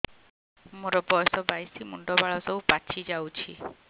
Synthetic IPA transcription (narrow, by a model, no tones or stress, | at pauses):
moɾɔbɔjsɔbajsimuɳɖɔbaɭɔsɔupat͡ʃʰid͡ʒawt͡ʃʰi